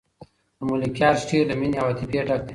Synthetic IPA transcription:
d̪əmulikjaːɾsʈiːɾd̪əminawat̪ipeʈak̚d̪i

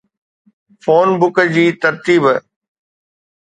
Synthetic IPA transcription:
foːnbʊkəd͡ʑiːt̪ɐɾt̪iːb

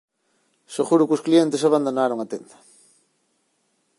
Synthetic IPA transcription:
soɣuɾʊkʊsklient̪esaβand̪onaɾoŋat̪end̪ɐ̥

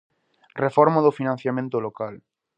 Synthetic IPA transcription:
refɔɾmaðofinãn̟θjamẽnt̪olokal

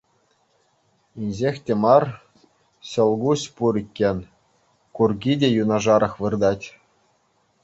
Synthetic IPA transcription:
inʲʑexʲtʲemɑr | ɕɤ̆lˠɡusʲpuɾʲikʲːenʲ | kurɡʲidʲejunɑʐɑɾɤ̆xʋɯrd̪ɑtʲ

